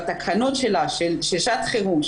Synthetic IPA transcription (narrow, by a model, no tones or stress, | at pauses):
t̪akʰano̞tʃelaʃelʃiʃat̪χeʁumʃ